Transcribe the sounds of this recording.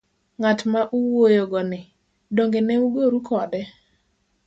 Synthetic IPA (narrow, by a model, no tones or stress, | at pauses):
ŋatmaʔuwojoɡɔnɪ | doŋɡenɛuɡoɾukʰɔdɛ